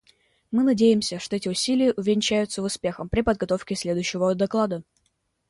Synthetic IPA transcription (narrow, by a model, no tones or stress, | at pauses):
mɨnɐdʲejɪmsʲəʂt̪oɛtʲɪʊsʲilʲɪjəʔʊvʲɪnʲt͡ɕæjʊt̪səvʊspʲe̞xəmpɾʲɪpəd̪̚ɡɐt̪o̞fkʲɪsʲlʲe̞d̪ʊjɕːɪvəd̪ɐklˠad̪ə